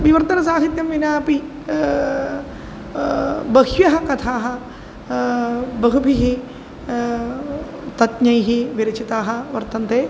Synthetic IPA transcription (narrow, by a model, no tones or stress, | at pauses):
ʋiʋɐɾt̪ɐnɐs̬aːɦit̪jɐmʋinaːpi | bɐɦjɐɦɐkɐt̪ʰaːɦɐ̆ | bɐɦupiɦi | t̪ɐt̪ɲɐjɦiʋiɾɐt͡ʃit̪aːɦɐ̆ʋɐɾt̪ɐnt̪eː